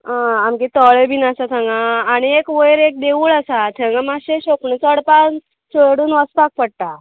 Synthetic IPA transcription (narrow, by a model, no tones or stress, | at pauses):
ãamkit̪ɔɭebʱinasat̪ʰãŋɡãːɽ̃iekʋəjɾek̚d̪eʋuːɭəsat̪ʰəŋɡamaɕeɕopnət͡səɽpan | seɽuːnʋəspak̚pəɽt̪a